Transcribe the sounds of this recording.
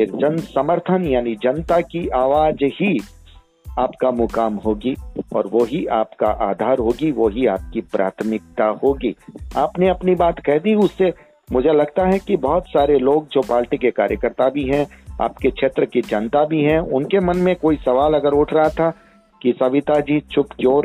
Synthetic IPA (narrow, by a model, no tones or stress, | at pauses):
ɪɾd͡ʒɐnsɐməɾt̪ʰənjaːnid͡ʒɐnt̪akiʔaːʋaːd͡ʒhi | aːpkamʊkaːmɦoːɡiɔ̰ːɾʋoɦiaːpka̰ʔaːd̪ʱaːɾɦoːɡiʋoɦiaːp̚kipɾʔa̰ːt̪ʰmɪk̚t̪ahoːɡiːaːpneɐpnibaːt̪kɛɦd̪iʊsːe | mʊd͡ʒʱelɐɡt̪aɦɛkibɐɦʊt̪saːɾeloːɡ̚d͡ʒoːpaːlʈikeka̰ːɾjəkəɾt̪abʱiɦɛ̃a̰ːpkekʃʰeːt̪ɾəkid͡ʒɐnt̪abʱiɦɛ̃ʊnkemɐnmẽkoːisɐʋaːlɐɡəɾʊʈʰɾɐɦat̪ʰa | kisɐʋɪt̪ad͡ʒiːt͡ʃʊpt͡ʃoːɾ